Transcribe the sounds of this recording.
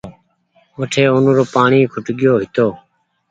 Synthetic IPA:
ʋəʈʰeːʊnɾoːpaːɳiːkʰʊʈɠɪjoːɦɪt̪oː

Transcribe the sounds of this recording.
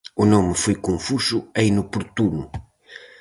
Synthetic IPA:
unomɨfojkõfuʃuɐinupuɾt̪unu

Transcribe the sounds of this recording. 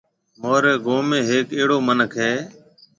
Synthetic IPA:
moːɾeːɡoːmẽːɦeːkeːɽoːmənəkʰɦeː

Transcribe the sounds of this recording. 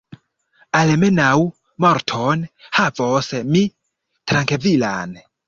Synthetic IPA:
alme̞naw | moɾtʰonhavosmi | tɾaŋkevila̰n

